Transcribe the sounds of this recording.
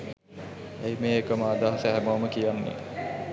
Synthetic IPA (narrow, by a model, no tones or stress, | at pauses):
ejmeːekəmaːd̪aːɦəsæɦæmaməkijanːḛ